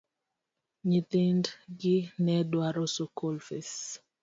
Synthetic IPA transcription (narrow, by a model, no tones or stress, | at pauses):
ɲit̪indɡɪnɛdwaɾosokolfes